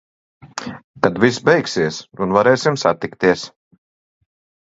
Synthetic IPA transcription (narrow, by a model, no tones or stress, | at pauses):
k̪ad̪visbɛjksiɛsunvaɾɛːsimsat̪ikt̪iɛs